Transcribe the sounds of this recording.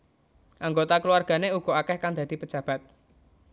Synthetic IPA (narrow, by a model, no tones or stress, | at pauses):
ʔaŋɡot̪akəluwarɡ̥a̤neuɡ̥ɔ̤akɛhkaŋd̪a̤d̪̥i̤pə̥d͡ʒ̥a̤b̥a̤t̪̚